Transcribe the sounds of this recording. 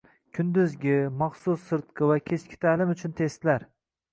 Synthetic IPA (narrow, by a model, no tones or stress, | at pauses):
kʲʰʊnd̪ʊzɡʲɪmɑχsʊsːɨɾt̪̚qʰɨvakʲʰe̞t͡ʃkʲɪ̥t̪ʰalɪmʊt͡ʃʰʊnt̪ʰe̞st̪laɾ